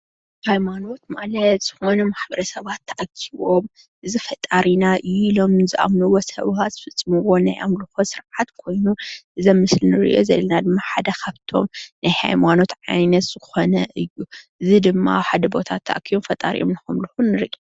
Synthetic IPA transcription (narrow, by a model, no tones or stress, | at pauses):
hajmano̞t̪malɐt̪z̥ɨxo̞nɐmaħbɐɾɐsɐβat̪ʰːɐʔɐkʰːiβo̞m | ʔɨzifɐt̪ʼaɾinaʔɨjːuilo̞mɨnzɨʔa̰mnuwosɐ̰βaz̥ɨfɨt͡sʼːɨmɨwo̞najʔa̰mlɨxosɨɾʕat̪kʰo̞jnuʔɨzɐmːɨslnɨɾɨ̰ʔo̞̰zɐ̰lːɐnad̪ɨmːaħad̪ɐkʰaβt̪ʰo̞̰mnajha̰jmano̞t̪ʕajnɐt̪z̥ɨxo̞nɐʔɨjːuʔɨzid̪ɨmːa̰ħad̪ɐbo̞t̪ʰat̪ʰːɐ̰ʔakʰːiβomfɐt̪ʼa̰ɾḭʔo̰mnɐxomlɨxunnːɨɾɨʔo